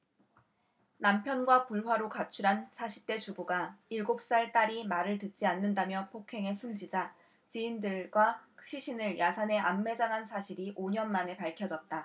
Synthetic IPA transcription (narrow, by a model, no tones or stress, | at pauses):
nampʰjʌnɡwapuɭɸwaɾokat͡ɕʰuɾansʰaɕʰi̥t͈e̞t͡ɕubuɡaiɭɡop̚s͈aɭt͈aɾimaɾɯɭtɯt̚t͡ɕ͈ianːɯndamjʌpʰokʰe̞ŋe̞sʰumd͡ʑid͡ʑa | t͡ɕiindɯɭɡwakʰɯ̥ɕ͈ʰiɕʰinɯɭjasʰane̞ʔamːe̞d͡ʑaŋɦansʰaɕʰiɾiʔoɲʌnmane̞paɭkʰjʌd͡ʑʌt̚t͈a